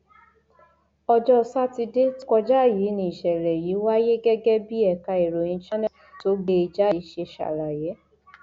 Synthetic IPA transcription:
ɔ˧d͡ʒɔ˦˨sa˦ti˧de˦tkɔ˧d͡ʒa˦˨ji˨˦nĩ˧˨i˨ʃɛ˨ɾɛ˨ji˨˦wa˦je˦ɡɛ˦ɡɛ˦bi˦ɛ˨ka˧e˨ɾo˨jĩ˧˦t͡ʃa˦nɛ˦ | to˨˦ɡe˧˨i˨d͡ʒa˦˨˦ʃe˧ʃa̰˨ɾa˨je˨˦

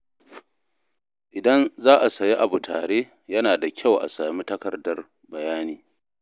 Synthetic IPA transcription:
ʔɪ˨dɐ˦nzaː˦ʔa˨sɐ˨ji˦ʔa˨bu˨tʰa̰ː˨ɽeː˦ | jɐ˦naː˨da˨kʲʰa˦˨wʔa̰˨saː˨mi˦tɐ˦kɐ˨rdɐ˨r | bɐ˨jaː˦niː˨

